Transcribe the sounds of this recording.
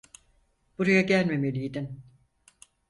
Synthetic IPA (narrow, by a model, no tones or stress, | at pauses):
b̥uɾajaɟælʲme̞melʲijd̪in